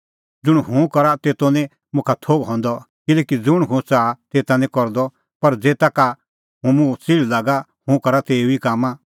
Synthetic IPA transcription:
d͡zʊɽ̃ɦũkɐɾat̪eːt̪onĩ | mʊ̃kʰat̪ʰoːɡɦɔ̃nd̪ɔ | kɪlɛːkid͡zʊɽ̃ɦũt͡saːt̪eːt̪ãnĩkɔɾd̪ɔ | pɐɾd͡zeːt̪aka | ɦũmũt͡siɭlaːɡa | hũkɐɾat̪eːuikaːmã

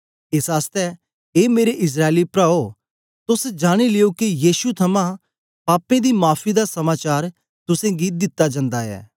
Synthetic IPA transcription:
ɪsaːst̪ɛ | eːmeːɾeʔɪs̬ɾaːelipɾaːo | t̪ʊsd͡ʒaːɽ̃ilɪjokijiːʃut̪ʰɐmã | paːpẽd̪imaːpʰid̪asɐmaːt͡ʃaːɾ | t̪ʊsẽːɡid̪ɪt̪ːad͡ʒɐ̃nd̪aɛ̰ː

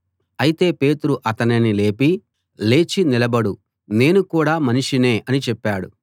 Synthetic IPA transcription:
ɐjit̪e̞ːpe̞ːt̪uɾuʔɐt̪ɐninile̞ːpi | le̞ːt͡ʃinilɐbɐɽu | ne̞ːnukuːɽaːmɐniʂine̞ːʔɐnit͡ʃɛpːaːɽṵ

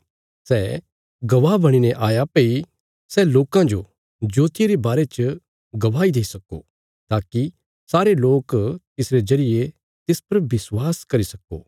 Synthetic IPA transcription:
sɛː | ɡɐʋabɐɽ̃inɛʔaːjapei | sɛloːkãd͡ʒo | d͡ʒoːt̪ɪeɾebaːɾet͡ʃə | ɡɐʋaːid̪eːisɐko̰ | t̪aːki | saːɾeloːkt̪ɪsɾed͡ʒɐɾɪje | t̪ɪspɐɾbɪswaːskɐɾisɐko̰ː

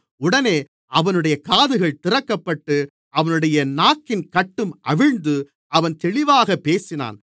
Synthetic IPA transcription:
ʊɽɐneː | ʔɐʋɐnɯɽɐjɐkaːðɯɣɐɭt̪ɪrɐkːɐpːɐʈːɯ | ʔɐʋɐnɯɽɐjɐnaːkːɪnkɐʈːɯmʔɐʋɪɻnd̪ɯ | ʔɐʋɐnt̪ɛɭɪʋaːɣɐpːeːsɪna̰ːn

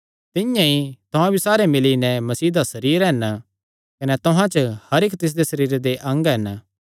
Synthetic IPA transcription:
t̪ɪjãit̪ʊɦãbisaːɾemɪlinɛ̃mɐsiːd̪asɐɾiːɾɦɛn | kɐnɛt̪ʊɦãt͡ʃhɐɾekt̪ɪs̬d̪esɐɾiːɾed̪eʔɐ̃ŋɡɦɛn

